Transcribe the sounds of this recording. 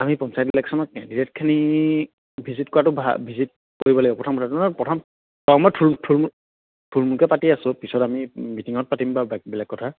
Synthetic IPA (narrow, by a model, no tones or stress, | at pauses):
amipɔnsajtlɛksɔnɔt̚ɛditɛt̚kʰani | bʱizitkɔɹatʊbʱa̰bʱizit̚ | koɹibɔlaɔpɹɔtʰɔmkɔtʰatuanɔpɹɔtʰɔm | tɔmɔtʰultʰul | tʰulmukɛpatiasʊ̃pisɔtamimitiŋɔt̚patimbabɛbɛlakːɔtʰa